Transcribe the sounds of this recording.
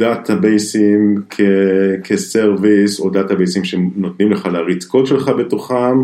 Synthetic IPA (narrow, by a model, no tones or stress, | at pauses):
datʰabejsimkʰekʰeseʁvisodat̪abejsimʃenot̪nimleχalaʁit͡skotʃelχabet̪oχam